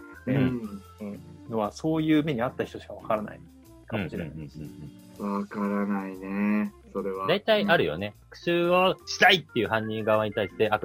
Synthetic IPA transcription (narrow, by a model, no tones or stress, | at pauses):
ɯ̟̃no̞βaso̞ːjɯ̟ːme̞ɲ̟iat̪ːaçi̥t̪o̞ɕi̥kaβakaɾana̰ḭ | kam̃oɕiɾẽnã̰s | βakaɾanaineso̞ɾe̞βad̪ait̪aiaɾɯ̟jo̞̰ne̞akɯ̟̥sɨːo̞ɕi̥t̪ait̪ːejɯ̟ɦãɲ̟ːĩŋɡaβaɲ̟it̪aiɕi̥t̪e̞ʔa